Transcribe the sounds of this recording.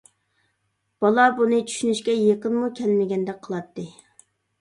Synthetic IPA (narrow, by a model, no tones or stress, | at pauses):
b̥ɑlˠɑbunɨt͡ʃʰy̥ʃynyʃkʲɛjeqənmukʲʰɛlmɪɡʲɛnd̪ɛk̚ʲqʰəlˠɑt̪ʰːɨ